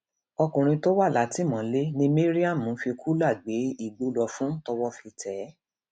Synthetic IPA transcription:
ɔ˧kũ˨ɾ̃ĩ˧to˦wa˦˨la˨˦ti˦mɔ̃˨˦le˦nĩ˦mi˦ɾi˦a˦˨mũ˨˦fi˧kʰu˦la˦˨ɡ͡be˨˦i˦˨ɡ͡bo˨˦lɔ˧fũ˦tɔ˧wɔ˦fi˧tʰɛ˨˦

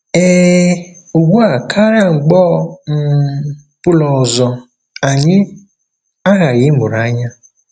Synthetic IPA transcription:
e˦ | o˨ɡʷu˦a˨kʰa˦ɾa˦˨ŋ͡m̩˨ɡ͡bɔ˦˨m̩˦ | pʊ˦lɔ˨zɔ˨ | a˨ɲɪ˦ | a˦ɣa˨ɾɪ˦mʊ˨ɾa˨˦ɲa˦

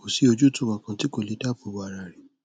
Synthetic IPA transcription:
ko˨si˨˦o˧d͡ʒu˦tũ˦wã˨kã˨ti˦ko˦˨li˨˦da˦˨bu˨wa˨ɾa˨ɾi˨

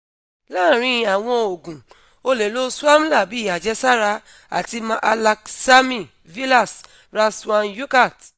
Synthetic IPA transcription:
laː˦˨ɾ̃ĩ˧a˨w̃ɔ̃˧o˨ɡũ˨ | o˧lɛ˨lo˦su˦a˦m̩̃˦la˦˨bi˨˦˨a˨d͡ʒɛ˧sa˦ɾa˧ | a̰˨ti˧mã˦ʔa˧la˧ksa˦mĩ˦˨ | vi˦la˦˨s | ɾa˧su˦a˧nju˦ka˦˨t

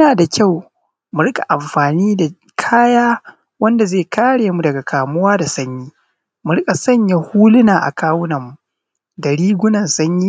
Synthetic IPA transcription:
mɪ˦naː˨da˨kʲa˦˨w | mʊ˨ɽɪ˦kʼa˨ʔa˨mɸaː˨niː˦da˨ | kʰaː˦jaː˦ | wɐ˦nda˨zeː˦˨kaː˦ɽeː˨mu˨dɐ˨ɡa˨kʰaː˨mʊ˦waː˦da˨sɐ˦ɲjiː˦ | mu˨ɽɪ˦kʼa˨sɐ˦ɲja˦huː˦lʊ˦naː˨ʔa̰˨kʰaː˦wʊ˦nɐ˨mːu˨ | da˨ɽiː˦ɡʷʊ˦nɐ˨nsɐ˦ɲjiː˦

